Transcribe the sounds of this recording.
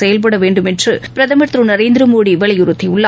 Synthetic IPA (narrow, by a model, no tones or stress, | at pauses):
ɛjɐlp̬ɐɽɐʋeːɳɖɯmɛndrɯpɪɾɐðɐmɐɾt̪ɾɯnɐɾeːnd̪ɾɐmoːɽiʋɛɭɐjʊɾɯt̪ːiʊɭːɐ